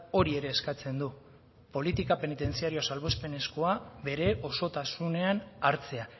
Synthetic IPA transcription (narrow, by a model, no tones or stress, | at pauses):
o̞ɾie̞ɾe̞ːskat͡se̞nd̪u | po̞lit̪ikape̞nit̪e̞nt͡siaɾioasalβo̞spe̞ne̞sko̞aβe̞ɾe̞ʔo̞so̞t̪asune̞anaɾt͡se̞a